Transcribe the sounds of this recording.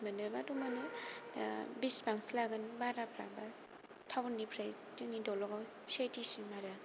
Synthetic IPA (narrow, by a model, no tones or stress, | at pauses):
bənɯbatumanɯ̰ | bisbaŋsilaɡɯnbaɾapʰɾa̰ba | tʰawndipʰɾaj | tɯnidɔlɔɡa | satisimaɾa